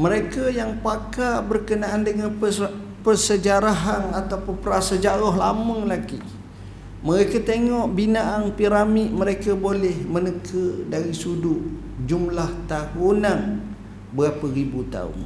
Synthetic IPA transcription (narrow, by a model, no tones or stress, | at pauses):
məɾekajaŋpakabərkənaandəŋan | pərsəd͡ʒaɾaɦanat̪apʊnpəɾasad͡ʒaɾɔɦla̰məŋlaɡi | məɾekat̪eŋɔʔbinaʔaŋpiɾamiʔ̚məɾekabolɛhmənəkʰədaɾisudʊʔ | d͡ʒumlaht̪ahunan | bəɣapəɾibut̪a̰ʊ̰n